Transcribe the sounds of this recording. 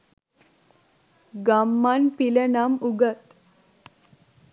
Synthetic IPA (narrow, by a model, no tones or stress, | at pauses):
ɡamːanpilənamuɡət̪